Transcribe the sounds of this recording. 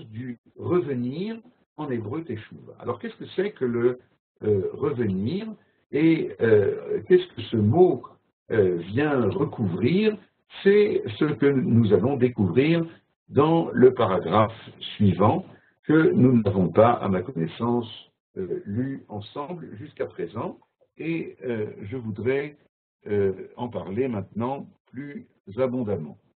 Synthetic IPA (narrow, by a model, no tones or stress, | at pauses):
d̪y | ʁəvəniːʁ | ɑ̃nebʁøt̪eʃṵva̰lɔʁkɛskəsɛkələ | ʁəvəniʁ | eøkɛskʰəsəmo | øvjɛ̃ʁəkuvʁiːʁ | sɛsəkənuzalɔ̃d̪ekuvʁiːʁ | d̪ɑ̃ləpaʁaɡʁafsɥivɑ̃ | kənunavɔ̃paa̰makɔnɛsɑ̃s | lyɑ̃sɑ̃blʒyskapχezɑ̃ | eøʒəvud̪ʁɛ | øɑ̃paʁlemɛ̃t̪nɑ̃ply | zabɔ̃d̪amɑ̰̃